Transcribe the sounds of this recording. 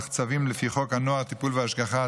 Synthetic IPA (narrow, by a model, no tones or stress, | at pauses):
aχt͡savimlefiχo̞khanoaʁt̪ipulveaʃɡaχa